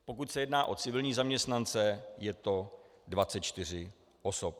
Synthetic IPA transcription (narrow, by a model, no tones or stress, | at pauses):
po̞k̬ut̪sɛjɛdnaːʔo̞t͡sɪvɪlɲiːzamɲɛst̪nant͡sɛjɛt̪o̞ | dvat͡sɛt̪̚t͡ʃt̪ɪr̝ɪ | ʔosop̚